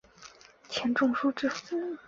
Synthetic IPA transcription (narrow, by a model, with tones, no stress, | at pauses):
t͡ɕʰjɛ˧˥nʈ͡ʂʊ˥˧ŋʂu˥ʈ͡ʂɻ̩˥˩s̩˥˩